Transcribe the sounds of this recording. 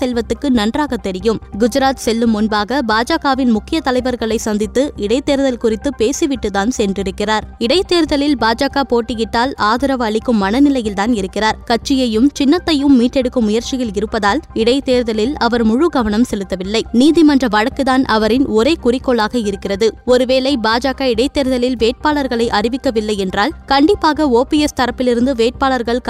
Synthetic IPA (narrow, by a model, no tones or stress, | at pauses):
sɛlʋɐt̪ːɯkːɯnɐndraːɣɐt̪ːɛɾɪjɯmɡʊd͡ʒɪɾaːt̪sɛlːɯmʊnbaːɣɐbaːd͡ʒaːɣaːʋɪnmʊkːɪjɐt̪ɐlɐɪʋɐɾɣɐɭɐɪsɐnd̪ɪt̪ːɯɪɽɐɪt̪eːɾðɐlkʊrɪt̪ːɯpeːsiʋɪʈːɯt̪aːnsɛndrɪɾɯkːɪraːɾɪɽɐɪt̪ːeːɾðɐlɪlbaːd͡ʒaːɣaːpoːʈːɪjɪʈːaːlaːðɪɾɐʋɐɭɪkːɯmːɐnɐnɪlɐjɪlt̪aːnɪɾɯkːɪraːɾkɐʈ̚t͡ʃːɪjɐjɯmt͡ʃɪnːɐt̪ːɐjɯmːiːʈːɛɽɯkːɯmːʊjɐɾt͡ʃɪɣɐɭɪɾɯpːɐðaːlɪɽɐɪt̪eːɾðɐlɪlɐʋɐɾmʊɻʊɡɐʋɐnɐmsɛlɯt̪ːɐʋɪlːɐɪniːðɪmɐndrɐʋɐɻɐkːɯðaːnʔɐʋɐɾɪnɔɾeːkʊrɪkːoːɭaːɣɐɪɾɯkːɪrɐðɯɔɾɯʋeːlɐɪbaːd͡ʒaːkaɪɽɐɪt̪ːeːɾðɐlɪlʋeːʈ̚paːlɐɾɣɐɭɐɪʔɐrɪʋɪkːɐʋɪlːɐɪɛndraːlkɐɳɖɪpːaːɣɐoːpiɛst̪ɐɾɐpːɪlɪɾɯnd̪ɯʋeːʈ̚paːlɐɾɣɐɭk